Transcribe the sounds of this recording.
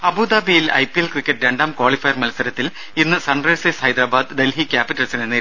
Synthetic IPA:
ɐbuːd̪aːbijilɐ̰jpːielkrikʲːɐʈːɾe̞ɳɖaːmkwoːɭifɐjɐrmɐlsɐɾɐt̪ːil | inːɨsɐɳrɐjseːshɐjd̪ɾaːbaːd̪ɖ̪elɦikʲaːpiʈːɐlsinene

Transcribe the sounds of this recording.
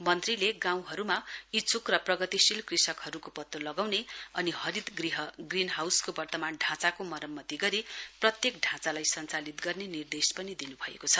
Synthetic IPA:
mʌnt̪rileɡãw̃ɦʌɾumait͡sʰukrʌprʌɡʌt̪isilkrisʌkhʌɾukopʌt̪ːolʌɡawneʌnihʌɾid̪ɡriɦʌɡrinɦawskobʌrt̪ʌmanɖʱãt͡sakomʌɾʌmːʌt̪iɡʌɾiprʌt̪jekɖʱãt͡salajsʌnt͡salit̪ɡʌrnenird̪espʌnid̪inubʱʌḛkot͡sʰʌ

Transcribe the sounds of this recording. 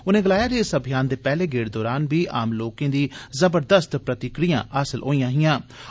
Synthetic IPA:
ʊnẽːɡəlaːjaːɾeːsəbʱɪjaːnd̪eːpɛːleːɡeːɽd̪ɔːɾaːnbiːʔa̰ːmloːkẽːd̪iːzəbəɾd̪əst̪pɾət̪ɪkɾijã̰ːʔəsəlɦo̰ːiːjãːɦɪjãː

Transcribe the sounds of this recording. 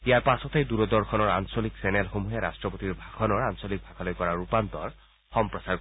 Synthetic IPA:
ijaɹpasɔtejd̪uɹɔd̪ɔɹkʰɔnɔɹa̰nsoliksɛnɛlxomuɦeɹa̰stɹɔpot̪iɹbʱakʰɔnɔɹansolik̚bʱakʰalojkɔɹaɹupant̪ɔɹ | xɔmpɹɔsaɹ

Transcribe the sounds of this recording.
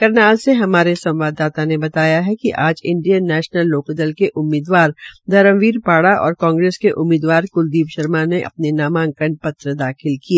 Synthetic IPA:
kɐɾnaːlseɦɐmaːɾesɐ̃mʋaːd̪ːaːt̪anebɐt̪aːjaɦɛkiʔaːd͡ʒɪ̃ɳɖijənːɛːʃnəlːoːkd̪əlkeʔʊmːiːd̪ʋaːɾd̪ʱɐɾə̃mʋiːɾpaːɽaʔɔ̰ːɾkãːŋɡɾeːskeʔʊmːiːd̪ʋaːɾkʊld̪iːbʃɐɾmaneʔɐ̰p̚nenaːmãːŋkəɳɖ̚pɐt̪ɾəd̪aːxʰɪlkieː

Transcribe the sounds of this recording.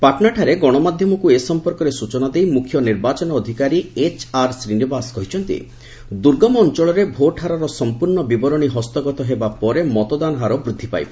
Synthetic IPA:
paʈnaʈʰaɾeɡɔɽ̃ɔmad̪ʱjɔmɔkuesɔmpɔɾkɔɾesut͡ʃɔnad̪ejmukʰjɔniɾbat͡ʃɔnɔːd̪ʱikaɾiet͡ʃaɾsɾinibaskɔɦit͡ʃʰɔnt̪ḭ | d̪uɾɡɔmɔɔnt͡ʃɔɭɔɾebʱoʈʰaɾɔɾɔsɔmpuɾɳɔbibɔɾɔɽ̃iɦɔst̪ɔɡɔt̪ɔɦebapɔɾemɔt̪ɔd̪anɔɦaɾɔbɾud̪ʱːipa̰jbɔ

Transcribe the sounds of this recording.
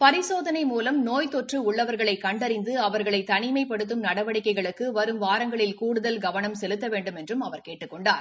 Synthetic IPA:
pɐɾɪsoːðɐnɐɪmuːlɐmnoːjt̪ɔʈrɯʊɭːɐʋɐɾɣɐɭɐɪkːɐɳɖɐɾɪnd̪ɯɐʋɐɾɣɐɭɐɪt̪ɐnɪmɐɪpːɐɽɯt̪̬ːɯmnɐɽɐʋɐɽɪkːɐɪɣɐɭɯkːɯʋɐɾɯmʋaːɾɐŋɡɐɭɪlkuːɽɯðɐlɡɐʋɐnɐmsɛlɯt̪ːɐʋeːɳɖɯmɛndrɯmɐʋɐɾkeːʈːɯkːɔɳɖaːɾ

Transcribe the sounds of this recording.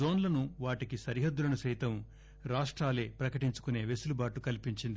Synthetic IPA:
oːnlɐnuʋaːʈikisɐɾiɦɐd̪ːuɾɐnusɐjt̪ɐm | ɾaːʂʈɾaːle̞ːpɾɐkɐʈiɲt͡ʃu̥kune̞ːʋesulubaːʈukɐlipiɲt͡ʃind̪i

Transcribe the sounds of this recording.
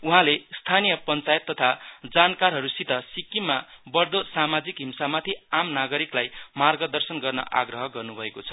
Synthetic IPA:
uɦãlest̪ʰanijʌpʌnt͡sajet̪ːʌt̪ʰad͡zankarɦʌɾusit̪ʌsikimabʌrd̪osamad͡zikɦimsamat̪ʰiamnaɡʌɾiklajmarɡʌd̪ʌrsʌnɡʌrnʌ̰ʔa̰ɡrʌɦʌɡʌrnubʱʌekot͡sʰʌ̥

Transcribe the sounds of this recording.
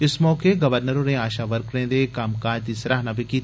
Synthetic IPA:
ɪsmɔːkeɡɐʋəɾnəɾõːneaːʃaʋɐɾkɾẽːd̪eːkaːmkaːd͡ʒd̪isɾaːɦnabikiː

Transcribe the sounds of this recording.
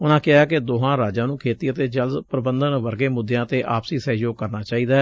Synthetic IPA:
ʊnãːkɪɦaːkɪd̪oːɦãːɾaːd͡ʒãːnũːkʰeːt̪iːət̪eːd͡ʒəld̪pɾəbənd̪ənʋəɾɡeːmʊd̪jãːt̪eːʔaːpsiːsɛːjoːɡkəɾnaːt͡ʃaːiːd̪aː

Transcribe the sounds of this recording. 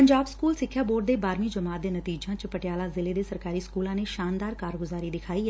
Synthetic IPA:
pəɲd͡ʒaːbskuːlsɪkʰːjaːboːʈ̚d̪eːbaːɾmiːd͡ʒəmaːt̪̚d̪eːnət̪iːd͡ʒãːt͡ʃpəʈjaːlaːzɪleːd̪eːsəɾkaːɾiːskuːlãːneːʃaːnd̪aːɾkaːɾɡʊzaːɾiːd̪ɪkʰaːiː

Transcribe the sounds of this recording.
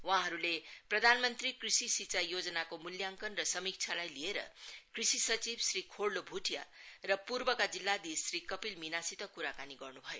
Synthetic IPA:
wãɦʌɾuleprʌd̪ʱanmʌnt̪rikrisisit͡sajod͡zʌnakomuljaŋkʌnrʌsʌmik̚t͡sʰalajlieɾʌ̰krisisʌt͡sibsrikʰoɽlːobʱuʈʰja̰rʌpurbʌkad͡zilːad̪isrikʌpilminasit̪ʌkuɾakaniɡʌrnubʱʌjo

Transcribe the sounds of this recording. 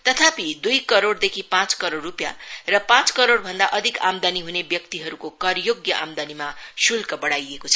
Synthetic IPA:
t̪ʌt̪ʰapid̪ujkʌɾoɽd̪ekʰipãt͡skʌɾoɽːupja̰rʌpãt͡skʌɾoɽbʱʌnd̪aʔʌd̪ʱika̰md̪aniɦunebjʌk̚t̪iɦʌɾukokʌrjoɡjʌʔamd̪animasulkʌbʌɽajekot͡sʰʌ

